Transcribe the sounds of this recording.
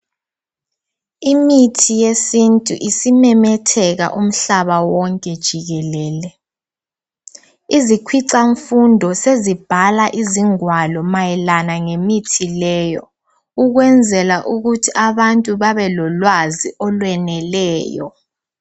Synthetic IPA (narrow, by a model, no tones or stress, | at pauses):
imitʰijesintʼṵʔisimɛmɛtʰɛɣa̰ʔum̩ɬaβawɔŋkʼɛd̥ʒ̥ʱiɣɛlɛːlɛ | izikʰwiǀaɱfundʱɔsezib̥ʱalaʔiziŋwalɔmajɛlanaŋemitʰilɛjɔ | uɣwɛnd͡zʱɛlaʔuɣutʰiʔaβantʼuβaβɛlɔlwaziʔɔlwɛnɛlɛːjɔ̰